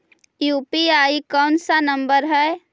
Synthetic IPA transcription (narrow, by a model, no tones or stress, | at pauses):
juːpiaːikɔːnsanə̃mbəɾɦɛ